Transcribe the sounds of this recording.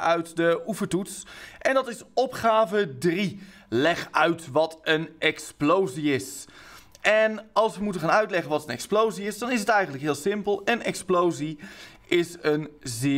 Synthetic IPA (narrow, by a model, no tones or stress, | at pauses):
œɥtdəuvəɹtutsʔɛndɑtɪsɔpχaːvədri | lɛχœɥtʋɑtənɛksplowziɪs | ʔɛnɑlˠsʋəmutəχaːnœɥtlɛχənʋɑtənɛksplowziɪsdɑnɪsətɛjχəntləkɦɪːlˠsɪmpəlˠənɛksplowzi | ʔɪsənzɪ